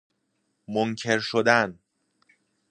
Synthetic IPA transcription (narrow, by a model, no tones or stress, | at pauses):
moncʰe̞ɾʃod̪æn